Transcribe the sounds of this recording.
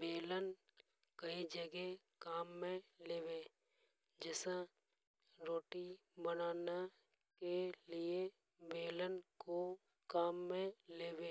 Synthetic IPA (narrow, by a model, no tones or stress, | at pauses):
beːlən | kəid͡ʒəɡɛ | kaːmːẽleːweː | d͡ʒɛːsã | ɾoːʈibənaːna | kelɪe | beːlənko | kaːmːẽleːweː